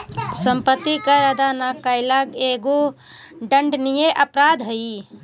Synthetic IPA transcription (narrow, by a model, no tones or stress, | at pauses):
səmpət̪ːikəɾəd̪anakəɪlaɡeɡo | ɖəɳɖnijeʔəpɾad̪ʱɦəi